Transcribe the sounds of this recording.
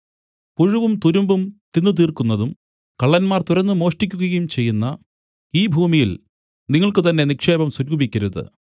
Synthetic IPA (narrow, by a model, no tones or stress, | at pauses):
puɻuʋumt̪uɾumbumt̪inːut̪̬iːrkunːɐðum | kɐɭːɐnmaːrt̪uɾɐnːɨmo̞ːʂʈikʲːuɣɐɣɐjumt͡ɕe̞jːunːɐ | iːbʱuːmijil | niŋːɐɭkɨt̪ɐnːe̞nikʂe̞ːbɐmsuɾuːbikʲːɐɾuðɨ̰